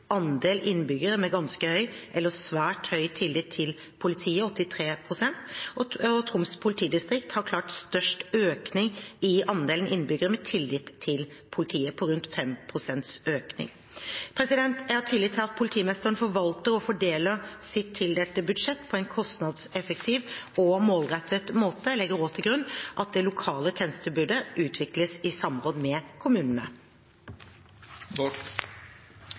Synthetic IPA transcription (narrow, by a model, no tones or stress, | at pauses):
ɑnd̪eːlʔɪnːbʏɡəɾəmɛɡɑnskəhœʏʔɛlːəsʋæːʈhœʏt̪ʰɪlːɪt̪ʰːɪl | pʰʊlɪt̪ʰiːəɔt̪ːɪt̪ʰɾeːpʰɾʊsɛnt̪ɔt̪ʰɾʊmspʰʊlɪt̪ʰiːd̪ɪst̪ɾɪkt̪hɑɾkʰlɑːʈst̪œʂʈøːknɪŋɪɑnd̪eːlənʔɪnːbʏɡəɾəmɛt̪ʰɪlːɪt̪ʰːɪl | pʰʊlɪt̪ʰiːəpʰɔɾʉnt̪fɛmpʰɾʊsɛnt̪søːknɪ̰ŋ | pʰɾɛsɪd̪ɛnt̪æt̪ʰːɪlːɪt̪ʰːɪɑt̪̚pʰʊlɪt̪ʰiːmɛst̪əənfɔɾʋɑlt̪əɾɔfɔɖeːləsɪt̪ʰːɪld̪ɛt̪ːəbʉd̪ʂɛt̪ːpʰɔɛɪnkʰɔst̪nɑd̪sɛfək̚t̪ʰiːʋɔmoːlʁɛt̪ʰət̪moːt̪əlɛɡəɾoːt̪ʰəɡɾʉnːʔɑt̪̚d̪ɛlʊkʰɑːlət̪ʰjɛːnst̪əbʉɖəʔʉːt̪ʰʋɪkləsɪsɑmʁoːd̪mɛkʰʊmʉːnən̩ə̰